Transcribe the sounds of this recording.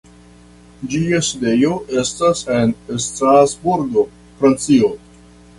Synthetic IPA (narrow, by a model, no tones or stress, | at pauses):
d͡ʒiaside̞jo̞ʔe̞stase̞nstɾazbuɾɡo | fɾant͡sio̞